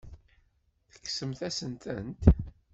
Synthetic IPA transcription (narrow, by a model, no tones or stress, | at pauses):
θə̥kːsəmθæsənt̪ənt̪